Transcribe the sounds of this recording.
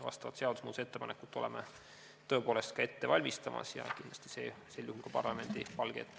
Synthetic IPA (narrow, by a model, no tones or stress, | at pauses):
vɑ̰st̪ɑvɑt̪se̞ɑd̪̥usmuːd̪se̞t̪ːepɑnekːˑu̥t̪ːˑo̞le̞̰me | t̪ø̞ːpo̞ːle̞st̪̚kɑe̞t̪ːe̞vɑlʲmist̪ɑmʔɑ̰sjɑ̰kind̪l̥ɑ̥st̪i̥sḛːselːjuhulkɑpɑrlɑme̞nd̪̥ipɑlɡ̥ḛt̪ːˑ